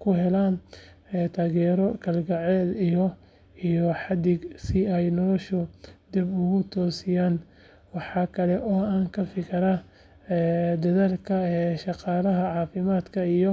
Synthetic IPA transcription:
kʰʊɦɛlaːn | ɛːt̪ʰaːɣɛːɾɔkʰɐlɡɐʕɛːd̪ijɔ | ijɔħɑd̪ɪɡsɪɛjnɔlɔʃʊd̪ibʊɣʊt̪ʰɔːsɪjaːn | wɑħɑːkʰɐlɛʔɔːaːŋkʰɐfɪkʰɐɾɐ | ɛːd̪ɐðaːlkʰɐɛːʃɑqɑːlɐɦɐʕɑːfɪmaːd̪kʰɐijɔ

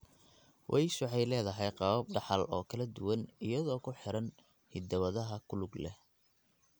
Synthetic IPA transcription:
wʔɛjʃʊʕɑjlɛːðɐɦɛjqɑβɐb̚ɖɑħɑlɔːkʰɐlɐd̪ʊwɐnɪjɐðɔːkʰʊħɪɾɐn | hɪd̪ɐwɐðɐɦɐkʰʊlʊɡlɛ̰h

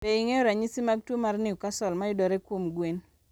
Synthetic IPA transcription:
peiŋeɔɾaɲisimaɡ̚twomarnɪukasɔlmaɪdɔɾekwomɡwen

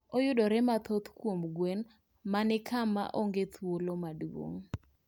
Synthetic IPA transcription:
ojʊdɔɾɛmat̪ot̪kwomɡwen | manɪkʰama̰ʔoŋɡet̪ʰwolomadwo̰ŋ

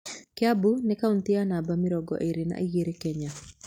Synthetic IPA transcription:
kɪabunɪkaunt̪ɪanabamɪɾɔɡɔ̰ʔeɾina̰ʔiɡeɾekɛɲa

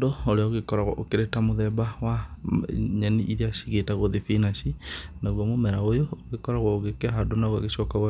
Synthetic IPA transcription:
dooɾeaoɣekɔɾaɣwɔ̰ʔokeɾetamoðɛbawa | ɲaniʔiɾiaʃiɣetaɣoðefinaʃinaɣwɔmomɛɾaojoːɣekɔɾaɣwɔoɣekɛɦadonaɣwaɣeʃɔkaɣwa

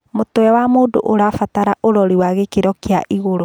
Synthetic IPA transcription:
motoɛwamoːdo̰ʔoɾafataɾaʔoɾɔɾiwaɣekeɾɔkeaʔiɣoɾo

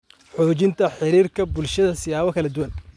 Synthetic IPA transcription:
ħɔːt͡ʃɪnt̪ʰɐħɪɾiːrkʰɐbʊlʃɐðɐsɪjaːβɐkʰɐlɐd̪ʊwɐn

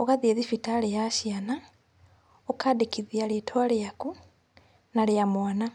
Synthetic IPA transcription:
oɣaðieðifitalejaʃiana | okadekiðjaletʰwalejaku | naljamwana

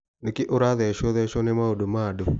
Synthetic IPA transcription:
nekɪʔoɾaðɛʃɔðɛʃɔnɛmaodomado

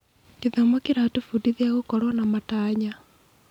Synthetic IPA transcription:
kiðamɔkiɾatufudiðiaɣokɔɾwɔnamataːɲa

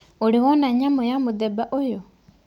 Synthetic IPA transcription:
oɾiwɔnaɲamojamodɛbaʔojo

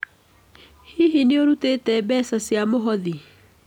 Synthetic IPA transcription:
hiɦineoɾutetɛbɛːsasjamoɦɔði

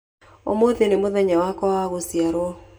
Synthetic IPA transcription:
o̰moðenemoðɛɲawakɔwaɣosiaɾwɔ

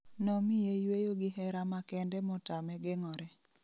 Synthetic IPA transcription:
nɔmijejwejoɡɪɦɛɾamakɛndɛmɔtamɛɡeŋɔɾɛ

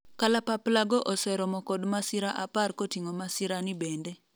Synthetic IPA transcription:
kalapaplaɡɔʔɔsɛɾɔmɔkɔdmasɪɾaʔaparkotiŋomasɪɾanɪbende

